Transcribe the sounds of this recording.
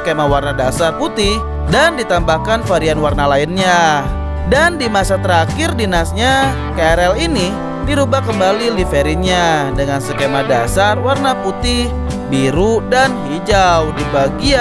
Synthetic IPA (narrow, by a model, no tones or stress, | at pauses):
kemawarnadasarput̪ɪh | dandit̪ambahkanfaɾianwarnalaɪnɲa | dandimasat̪əɾakɪrdinasɲa | kaɛɾɛlini | diɾubakəmbalilifeɾɪɲadəŋansəkemadasarwarnaput̪ɪh | biɾudanɦid͡ʒawdibaɡia